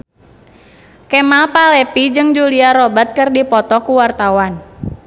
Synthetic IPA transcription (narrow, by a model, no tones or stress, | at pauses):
kɛmalpalɛpid͡ʒɨŋd͡ʒuliaɾɔbat̪̚kɨrdipɔt̪ɔkuwart̪awan